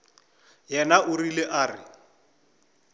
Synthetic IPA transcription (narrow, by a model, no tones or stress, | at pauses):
jɛnaʊrileʔaːrɪ